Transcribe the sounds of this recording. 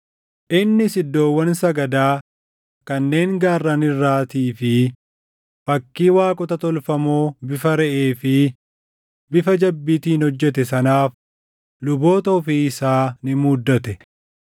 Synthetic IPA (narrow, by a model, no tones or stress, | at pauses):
ʔɪnːɪsɪd̪ːo̞ːwːɐnsɐɡɐd̪aː | kɐnːe̞ːŋɡaːrːɐnɪrːaːt̪iːfɪ | bɐkːiːwaːkʼɔt̪ɐt̪ɔlfɐmoːbɪfɐɾɛʔe̞ːfɪ | bɪfɐd͡ʒɐbːit̪iːnhɔd͡ʒːɛt̪ɛsɐnaːf | lʊbo̞ːt̪ɐʊfiɪsaːnɪmuːd̪ːɐt̪ɛ